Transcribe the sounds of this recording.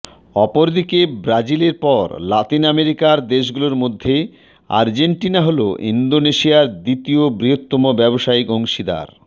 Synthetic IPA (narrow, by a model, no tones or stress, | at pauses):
ɔpoɾd̪ikebɾad͡ʑileɾpɔɾlat̪inameɾikaɾd̪eʃ̬ɡuloɾmod̪ʱːe | a̰ɾd͡ʑeɳʈinaɦoloʔḭnd̪oneʃiaɾd̪it̪iobɾiɦot̪ːɔmobɛboʃaiɡoŋʃid̪a̰ɾ